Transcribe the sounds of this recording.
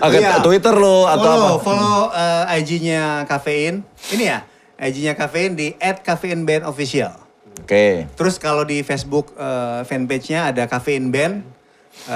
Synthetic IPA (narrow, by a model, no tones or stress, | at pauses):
aat̪uit̪ərloataofoloəajd͡ʒiɲakafeɪninija | ʔajd͡ʒiɲakafeɪndiʔɛt̪̚kafeinbɛnofisia̰l | oket̪əɾʊskalodifesbʊkəfɛnpet͡ʃɲaːdakafeɪnbɛn